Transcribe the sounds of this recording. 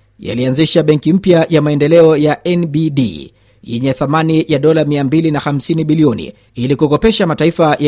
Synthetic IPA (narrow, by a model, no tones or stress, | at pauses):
ja̰lianziʃaɓɛŋkim̩pjajamaɛndɛlɛɔjaʔɛnbiɗḭ | jɛɲɛθamanijaɗɔlamiambilinaxam̩siniɓiliɔnḭ | ilikukɔpɛʃamataifaja